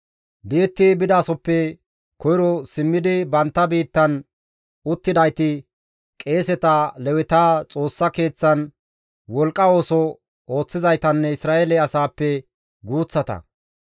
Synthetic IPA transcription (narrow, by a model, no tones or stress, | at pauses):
beːt̪ːɪbɪd̪aːsɔpːɛ | kɔjɪɾɔsɪmːɪd̪ɪbɐnt̪ːɐbiːt̪ːɐn | ʊt̪ːɪd̪ɐjt̪ɪ | kʼe̞ːsɛt̪ɐlɛwɪt̪aːt͡sʼo̞ːsːɐke̞ːt͡sːɐn | wɔlkʼːɐo̞ːsɔ | o̞ːt͡sːɪzɐjt̪ɐnːɛɪsɾaːʔelɛɐsaːpːɛ | ɡuːt͡sːɐt̪ɐ̰